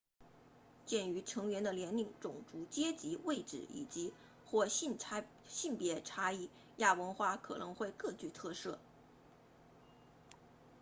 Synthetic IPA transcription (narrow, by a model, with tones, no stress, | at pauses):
t͡ɕjɛ˥˩ny˧˥ʈ͡ʂʰɤ˧˥ŋɥɛ˧˥nd̪ə˧ljɛ˧˥ni˧˩ŋʈ͡ʂʊ˨˩ŋʈ͡ʂu˧˥t͡ɕjɛ˥t͡ɕi˧˥we˥˩ɪʈ͡ʂɻ̩˨˩ḭ˨˩t͡ɕi˧˥ | xwɔ˥˧˥ | ɕi˥˩npjɛ˧˥ʈ͡ʂʰa˥i˥˩ | ja˥˩wə˧˥nxwa˥˩kʰɤ̰˨˩nɤ˧˥ŋxwe˥˧ɪkɤ˥˧t͡ɕy˥˧t̪ʰɤ˥˧sɤ˥˩